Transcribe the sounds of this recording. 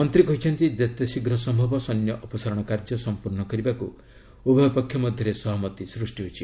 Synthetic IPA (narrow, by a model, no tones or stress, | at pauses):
mɔnt̪ɾikɔɦit͡ʃʰɔnt̪id̪et̪esiɡɾɔsɔmbʱɔbɔsɔnjɔʔɔpɔsaɾɔɽ̃ɔkaɾd͡ʒɔsɔmpuɾɳɔkɔɾibaku | ubʱɔjɔpɔkʰːjɔmɔd̪ʱjɔɾesɔɦɔmɔt̪isɾusʈiɦot͡ʃʰi